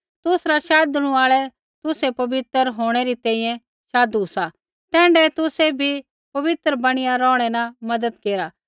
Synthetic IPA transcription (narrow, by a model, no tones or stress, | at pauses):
t̪ʊsɾaʃaːd̪ʊɽ̃ũaːɭɛ | t̪ʊsepɐbɪt̪əɾɦoːɽ̃eɾit̪ɛ̃ːĩːjɛ̃ | ʃaːd̪uʊsa | t̪ɛ̃ːɳɖɛt̪ʊsɛbʱi | pɐʋɪt̪ɾəbɐɽ̃ɪjaɾɔ̃ːɽ̃ɛnamɐd̪əd̪keːɾa